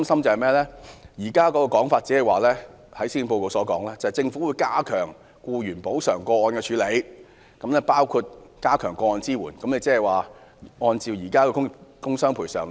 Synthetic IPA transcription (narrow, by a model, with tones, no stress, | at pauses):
msɐ˥mt͡sɐ˨hɐ˨jmɛː˥lɛː˥jiː˨˩kaː˥kɔː˧˥kɔː˧kɔː˨˥ŋfaː˧t̚t͡siː˨˥hɐ˨˩jwaː˨˩lɛː˥ | hɐ˨˥jsiː˥np̬o˧wko˨˧wsɔː˨˥kɔː˨˥ŋlɛː˥t͡sɐ˨˩hɐ˨jt͡sɪ˧ŋfu˨˥wuː˨˧jkaː˥kʰœː˨˩ŋ | kuː˧jyː˨˩npo˨˥wsœ̰ː˨˩ŋkɔː˧ɔː˨˧nkɛː˧t͡ʃʰyː˨˥le˨˧j | kɐ˨˥mlɛː˥paː˥wkʰu˧t̚kaː˥kʰœː˨˩ŋkɔː˧ɔː˨˧nt͡siː˥wuː˨˩nkɐ˨˦mnle˨˧jt͡sɛː˥˩ɛ˨jwaː˨ʔɔː˧nt͡siː˨˩wjiː˨˩kaː˥kɛː˧kʊ˥kʊ˥ŋsœː˥ŋpʰuː˨˩jsœː˨˩ŋ